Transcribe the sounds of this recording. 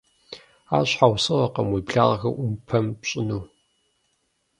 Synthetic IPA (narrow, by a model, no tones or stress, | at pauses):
a̰ːɕħawsɨʁɐqɐmwiːbɮaːʁɐxɐ̰ʔʊmpʰɐmpɕʼɪnuː